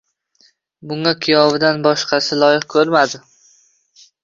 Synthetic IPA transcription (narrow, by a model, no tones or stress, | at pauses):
bʊŋakʲʰijɒbɪd̪anbɒʃqʰɑsɪlˠɒjɪχkʰɵɾmad̪ɪ